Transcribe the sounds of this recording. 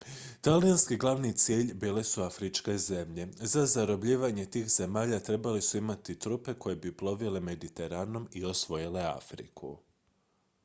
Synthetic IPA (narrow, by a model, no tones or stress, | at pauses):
t̪alijanskiɡlˠaʋnit̪sjeːʎbiːle̞suafɾit͡ʃke̞ze̞mʎe̞zazaɾo̞bʎiːʋaɲe̞t̪iːxze̞maːʎat̪ɾe̞balisuimat̪it̪ɾupe̞kʰo̞jebiplˠo̞ʋile̞me̞d̪it̪e̞ɾaːno̞mio̞sʋo̞jile̞a̰fɾḭkʰṵ